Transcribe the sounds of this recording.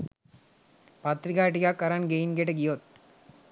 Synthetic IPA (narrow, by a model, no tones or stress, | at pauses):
pɐt̪ɾikaːʈikakːɐɾɐnɡejnɡeʈeɡijot̪̚